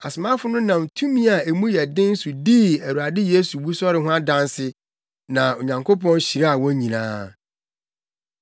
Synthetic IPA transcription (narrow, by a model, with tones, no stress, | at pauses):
a˨sʊ˨mã˦fʊ˦nʊ̃˦nã˨m˨tʰũ˦mĩ˦a˨e˨mũ˦jɛ˨dɪ̃˦n̩˦su˨diː˦æ˨ɾu˨a˨dɪ˦je˦su˨bu˦sɔ˦ɾɪ˨ɦʊ̃˦a˦dã˦nsɪ˦ | nã˨o˨ɲã˨ŋkʰo˦pɔ̃˦n˦ɕi˨ɾa˦a˨wɔ̃˦ɲĩ˨nã̰ː˦